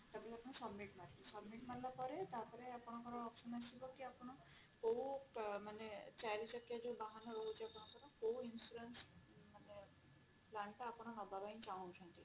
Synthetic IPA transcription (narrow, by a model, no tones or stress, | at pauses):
t̪abilapɔnɔsɔbmiʈmaɾilisɔbmiʈmaɾlɔpɔɾet̪aɾpɔɾeapɔñɔŋkɔɾɔːpsɔnasibɔkiapɔnɔ | kowmanet͡ʃaɾit͡ʃɔkijad͡ʒubaɦanɔɾoɦut͡ʃʰiapɔnɔkɔɾɔkowinsuɾensmane | plaɳʈaːpɔñɔnɔbabajnt͡ʃaw̃t͡ʃʰɔnt̪i